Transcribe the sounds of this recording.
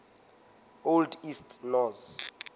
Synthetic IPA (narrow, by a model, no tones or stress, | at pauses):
oldistʰnɔz